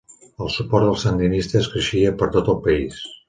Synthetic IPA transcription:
əlˠsupɔɾðəlˠsənd̪inist̪əːskɾəʃiəpəɾt̪ot̪əlˠpəis

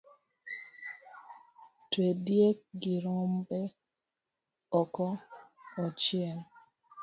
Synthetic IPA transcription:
twedjek̚ɡiɾɔmbɛ | ɔkɔɔt͡ʃɪɛn

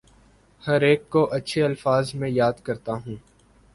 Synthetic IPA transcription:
hɐɾeːkːoʔɐtːʃʰeɐlfaːzmẽjaːd̪kɐɾt̪aɦũː

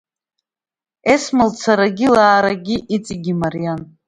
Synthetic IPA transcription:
esmɨlt͡sʰaɾaɡʲilaːɾaɡʲiʔit͡sʼiɡʲimarijan

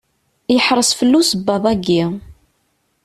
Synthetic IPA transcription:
jəħɾˤəsfəlːusəbːɑðˤæɡːi

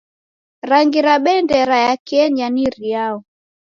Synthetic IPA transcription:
ɾaŋɡiɾaɓɛndɛɾajakiɛɲaniɾiaɔ

